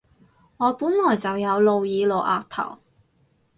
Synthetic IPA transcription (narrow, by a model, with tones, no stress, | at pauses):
ŋɔː˨˧puː˨˥nlɔː˨˩jt͡sɐ˨wjɐ˨˧wlo˨˧wjiː˨˧lo˨wʔaː˨˧k̚t̪ʰɐ̰˨˩w